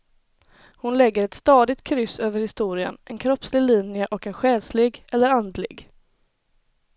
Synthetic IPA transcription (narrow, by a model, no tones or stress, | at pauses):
hʊnlɛɡːəɾɛt̪st̪ɑːd̪ɪt̪̚kʰɾʏsøːvəɾhɪst̪uːɾɪə̰nʔɛnkʰɾɔpslɪɡliːnjəʔɔkɛnɧɛːlslɪɡɛlːəɾand̪lɪ̰ɡ